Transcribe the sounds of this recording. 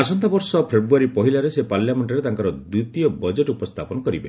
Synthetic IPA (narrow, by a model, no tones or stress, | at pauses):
asɔnt̪ʰabɔɾsɔpʰebɾuaɾipɔɦilaɾesepaɾljameɳʈɔɾet̪aŋkɔɾɔd̪ut̪iɔbɔd͡ʒeʈupɔst̪ʰapɔnɔkɔɾibe